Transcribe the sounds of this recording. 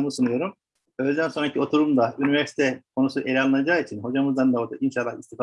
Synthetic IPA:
musunujo̞ɾum | øjlʲd̪ænso̞nɾacʰio̞t̪ʰuɾumd̪ayniveɾsi̥t̪ʰɛkʰo̞nusuʔelʲalˠɯnad͡ʒaːit͡ʃʰinho̞d͡ʒamɯzd̪and̪aot̪inʃalˠːahist̪ʰif

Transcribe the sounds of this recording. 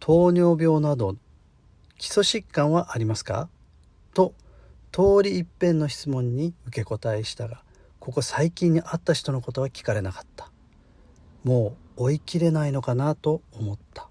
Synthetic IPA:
t̪ʰo̞ːɲo̞ːbʲjo̞ːnad̪o̞ | kʲi̥so̞ɕikːãɰ̃βaʔaɾʲimasɨ̥ka̰ | t̪o̞ | t̪o̞ːɾʲiːpːẽ̞nːo̞çi̥t͡sɨmõ̞ɲ̟ːiɯ̟ke̞ko̞t̪aiɕi̥t̪aɡa | ko̞ko̞saikʲĩɲ̟ːiʔat̪ːaçi̥t̪o̞no̞ko̞t̪o̞βakʲi̥kaɾe̞nakḁt̪ːḁ | mo̞ːikʲiɾe̞naino̞kanat̪o̞ːmo̞t̪ːḁ

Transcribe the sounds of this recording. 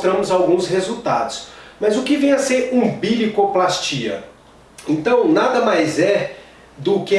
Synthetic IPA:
t̪ɾɐ̃mʊzawɡũshezuwt̪ad̪ʊsmɐzʊkɪvẽj̃ɐseɾũbilikoplast͡ʃiɐ̰ | ẽnt̪ɐ̃w̃nad̪ɐmajzɛ | d̪ʊkɪ

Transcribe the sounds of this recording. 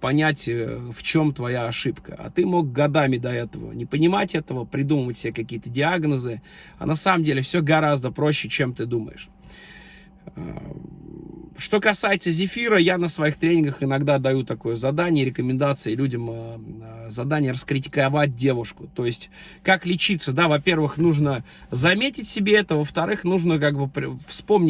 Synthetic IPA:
pɐnʲætʲəft͡ɕo̞mt̪vɐjaɐʂɨpkə̰ɐ̰t̪ɨmo̞ɡ̚ɡɐd̪amʲɪd̪ɐɛt̪əvə̰nʲɪpənʲɪmatʲɛt̪əvəpɾʲɪd̪uməvətʲsʲɪbʲekɐkʲijət̪ədʲɪaɡnəzɨ | ɐ̰nɐsaməmdʲelʲɪfsʲoɡɐɾazd̪əpɾo̞ɕːɪt͡ɕe̞mt̪ɨd̪umə̰jɪ̰ʂ | a̰ | ʂt̪o̞kɐsajɪt̪səzʲɪfʲiɾəjanəsvɐixt̪ɾʲenʲɪnɡəxɪnɐɡd̪ad̪ɐjut̪ɐko̞jʊzɐd̪anʲɪjəɾʲɪkəmʲɪnd̪at̪sɨɪlʲudʲəməəzɐd̪anʲɪjərəskɾʲɪt̬ʲɪ̥kɐvat̚ʲdʲe̞vʊʂkʊt̪o̞jɪsʲtʲ | kaklʲɪt͡ɕit̪səd̪avɐpʲe̞rvɨxnuʐnə | zɐmʲetʲɪtʲsʲɪbʲeɛt̪əvəft̪ɐɾɨxnuʐnək̬aɡbɨpɾʲfspo̞mnʲɪ

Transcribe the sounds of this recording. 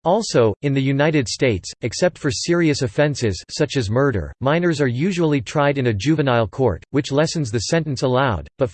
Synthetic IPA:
ɔlˠsoʊɨ̃nðɨjʉnaɪɾɨdsteɪtsɨksɛp̚tfə˞sɪɹiɨsɨfɛ̃nsɪz̥sʌt͡ʃɨzmɜ˞ɾə̰˞mãɪ̃nə˞zə˞jʉʒul̩ˠitʰɹ̥aɪɾɨ̃nɨd͡ʒʉvɨnaɪlˠkʰɔ̰ɹt̚wɨt͡ʃlɛsn̩zðɨsɛ̃nɨ̃n̩səlaʊd̚b̥ʌt

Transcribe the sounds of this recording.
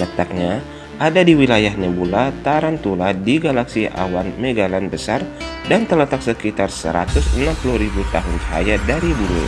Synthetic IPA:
d͡ʒat̪ak̚ɲa | ʔadadiwilajahnebulat̪aɾant̪uladiɡalaksia̰wanmeɡalanbəsar | dant̪ələt̪aksəkit̪arsə̰ɾat̪ʊsənampuluhɾibut̪aɦʊnd͡ʒəɦa̰jadaɾibuɾṵ

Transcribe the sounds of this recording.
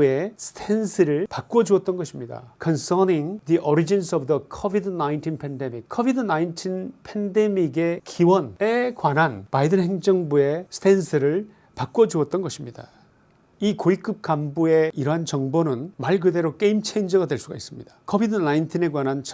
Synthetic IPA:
e̞sʰtʰensʰɯɾɯɭpak͈wʌd͡ʑuʌt̚t͈ʌnɡʌɕʰimɲida̰kʰʌnsʌniŋd̪iʔʌɾid͡ʑinsʌbdʌkʰʌbidnaintʰinpʰende̞mik̚kʰːʌbidɯnaintʰinpʰende̞miɡe̞kiwʌnekwanɦanpaidɯnɦhe̞ŋd͡ʑʌŋbue̞sʰtʰensʰɯɾɯɭ | pak͈wʌd͡ʑuʌt̚t͈ʌnɡʌɕʰimɲida̰ | ikoik͈ɯp̚k͈ambue̞iɾʌɦant͡ɕʌŋbonɯnmaɭk̬ɯde̞ɾok͈e̞imt͡ɕʰeind͡ʑʌɡadwe̞ɭs͈uɡais͈ɯmɲid̥ḁkʰʌbidɯnaintʰine̞kwanɦant͡ɕ

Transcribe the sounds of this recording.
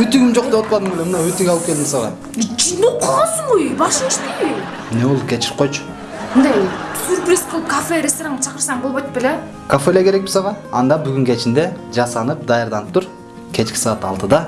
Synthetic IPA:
yt̪yɡʲimd͡ʒoq̚d̪eot̪pɑd̪ɯmolʲemɯnd̪ɑøt̪yɡɑlˠɯpke̞ld̪ɪmisɑʁɑ̰ | t͡ʃʰinuqʰːɑlˠɑsɴujbɑʃint͡ʃt̪iij | neolˠkʰʲet͡ʃiɾp̚qʰo̞jt͡ʃʰʊ̥ | mɯnd̪ɑjsyɾpɾʲisqʰəlˠɯp̚kafeɾʲest̪oɾaŋɑt͡ʃʰɑqəɾsɑɴbolˠβojt̪pele | kʰafelekeɾek̚bi̥sɑʁɑɑnd̪ɑbyɡyŋkʲʰe̞t͡ʃind̪e | d͡ʒɑsɑnɯp̚d̪ɑjɑɾd̪ɑnɯp̚t̪uɾ | kʲʰe̞t͡ʃkʲi̥sɑːt̪ɑ̰lˠt̪ɯd̪ɑ

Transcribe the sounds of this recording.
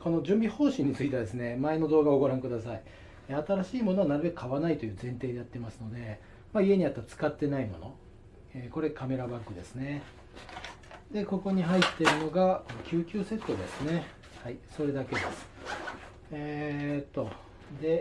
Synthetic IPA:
kono̞d͡ʑɨ̃mbʲiho̞ːɕĩɲ̟ːit͡sɨit̪e̞ad̪e̞sɨne̞mae̞no̞d̪o̞ːɡao̞ɡoɾãŋkɯ̟d̪asai | eat̪aɾaɕiːmo̞no̞anaɾɯ̟be̞kɯ̟̥kaβanait̪o̞jɯ̟ːzẽ̞nt̪e̞ːd̪e̞jat̪ːe̞masɨno̞d̪e̞ | maie̞ɲ̟iat̪ːat͡sɨ̥kat̪ːe̞naimo̞̰no̞ | eːko̞ɾe̞kame̞ɾaβakːɯ̟d̪e̞sɨne̞ | d̪e̞ko̞ko̞ɲ̟iɦait̪ːe̞ɾɯ̟no̞ɡakʲʰɨːkʲɨːse̞t̪ːo̞d̪esɨne̞ | haiso̞ɾe̞d̪ake̞d̪esɨ̥ | et̪ːo̞ | d̪e̞

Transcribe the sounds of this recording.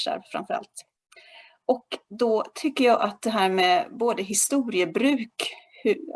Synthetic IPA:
ʂa̰ɾvfɾa̰mfœɾa̰lt̪ | ʔɔkd̪ɔt̪ʰʏkːəjɑːʔat̪̚d̪ɛɦæːɾmɛboːd̪əɦɪst̪uːɾɪəbɾʉ̟ːkh

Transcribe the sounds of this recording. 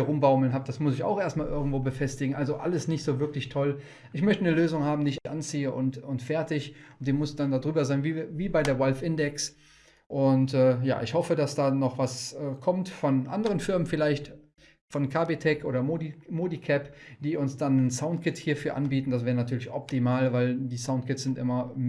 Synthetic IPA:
ʁʊmbaʊml̩nɦaːb̚d̥asmʊsɪça̰ʊxʔeːɐstmaːlʔɪɐɡŋ̩tv̥oːbəfɛstɪɡŋ̩ʔalzoʔa̰ləsnɪçtz̥oːvɪɐklɪçtʰɔl | ʔɪçmœçtənəløːzʊŋhaːbm̩diːɪççʔant͡siːəʔʊ̰ntʊntfɛɐtɪçʊntd̥eːnmʊsɪçd̥andadʁyːbɐzaɪnviːviːbaɪdeːɐvɔlfʔɪndɛks | ʔʊntɛːja̰ːʔɪçhɔfədasd̥aːnɔχv̥asɛːkʰɔmtfɔnʔa̰ndəʁ̞ənfɪɐmənfɪlaɪçt | fɔnkʰabetʰɛkʔo̰ːdɐmodimoːdikʰɛpd̥iːʊnsd̥anːənsaʊntkʰɪthiːɐfyːɐʔa̰nbiːtn̩das̬vɛːʁənatʰyːɐlɪçʔɔp̚timaːlvaɪldiːsaʊnt̚kɪtsz̥ɪntʔɪ̰mɐ

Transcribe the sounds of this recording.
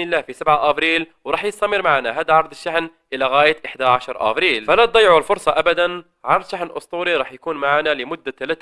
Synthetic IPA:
nɪlːaːhfisabʕaʔabɾiːlwɾˤɑːħjɪsˤt̪ɑmɪɾmaʕanaɦaːd̪ʕɑɾˤd̪ˤɪʃːaħnʔɪlaɣaːjaʔɪħd̪aʕaʃɑɾˤʔa̰bɾiːlfalat̪̚d̪ˤɑjːʕlfʊɾsˤɑʔabad̪an | ʕalʃaħnʔʊ̰sˤt̪ˤuːɾiɾˤɑːħjakuːnmaʕaːnalɪmʊd̪ːat̪alat̪ː

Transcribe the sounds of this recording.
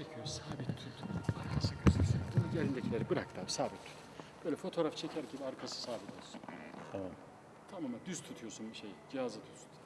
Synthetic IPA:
ecʰijosaːbit̪ʰːut̪ʰaɾkʰasɯɡøsysbunuɟeɾind̪ɛcʰilʲeɾibiɾak̚t̪aːbisaːbit̪ʰːy̥t̪ʰb̥øjlʲɛfo̞t̪ʰo̞ːɾaft͡ʃʰecʰæɾɟibiaɾkʰasɯ̥saːbit̪ʰo̞lˠsunt̪ʰamam | t̪ʰamamad̪yz̥t̪ʰut̪ʰujosunbiʃejd͡ʒihazɯt̪ʰut̪sun

